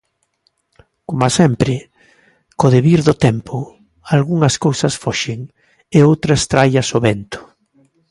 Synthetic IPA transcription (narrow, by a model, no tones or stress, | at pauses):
komasɛmpɾɪ | koðeβiɾðʊt̪ɛmpʰʊ | alɣuŋɐskowsɐsfɔʃɪŋ | eowt̪ɾɐst̪ɾajɐsoβɛnt̪ʊ̥